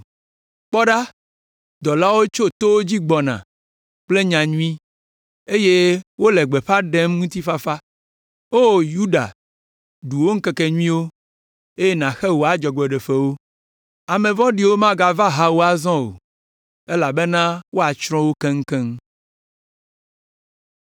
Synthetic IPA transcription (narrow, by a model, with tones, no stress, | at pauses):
k͡pɔ˦ɖa˦ | d̪ɔ˨la˦wo˦t͡ʃo˦t̪o˦wo˦d͡ʑi˦ɡ͡bɔ˨nã̰˨ | k͡ple˦ɲã˨ɲũ˦ĩ˦ | e˦je˦wo˦le˨ɡ͡be˨ɸa˦ɖe˦mŋũ˦t̪i˦fa˦fa˦ | o˦˨ju˦ɖa̰˨ | ɖu˨wo˦ŋ̩˦ke˦kɛ˨ɲũ˦ĩ˦wo˦ | e˦je˦nã˨xɛ˦wo˨a˨d͡ʒɔ˨ɡ͡bɛ˨ɖe˨ɸe˨wo˦ | a˨mẽ˨vɔ̃˦ɖi˨˦wo˦mã˦ɡa˨va˦ɦa˦wo˦a˦zɔ̃˦o̰˨ | e˦la˨be˦nã˦wo˦a˨t͡ʃɾɔ̃˦wo˦kɛ˦ŋ̩˦kɛ˦ŋ